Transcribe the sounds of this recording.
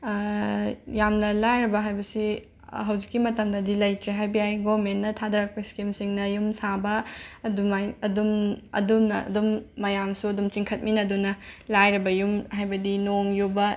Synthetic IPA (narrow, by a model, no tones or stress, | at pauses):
jamnɐlajɾɐbɐɦajbɐsi | ɦɐwzikːimɐtɐmdɐdilɐjtɾeɦajbiajɡomenːɐtʰadɐɾɐk̚pɐiskimsiŋnɐjumsabɐɐdumajɐdumɐ̰dumnɐɐ̰dumːɐjamsuɐdumt͡ʃiŋkʰɐt̚minɐdunɐlajɾɐbɐjumɦajbɐdinoŋjubɐ